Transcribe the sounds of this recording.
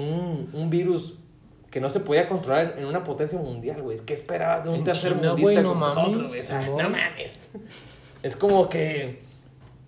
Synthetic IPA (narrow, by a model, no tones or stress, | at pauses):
unumbiɾus | ke̞no̞se̞po̞ðiako̞nt̪ɾo̞laɾeenunapo̞t̪e̞ns̬jamũnd̪jalɣwejkeːspe̞ɾaβazðeũnt̪eɾseɾomũnd̪ist̪aknmaoowejsanama̰mḛs | e̞sko̞mo̞ke